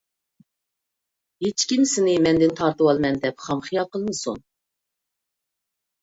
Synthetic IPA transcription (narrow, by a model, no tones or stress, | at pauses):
ɦet͡ʃkʲimsɪnɪmɛnd̪ɪnt̪ʰɑɾt̪ɨwɑlˠmɛnd̪ɛpχɑmχijɑlˠqəlˠɨnɨsṵn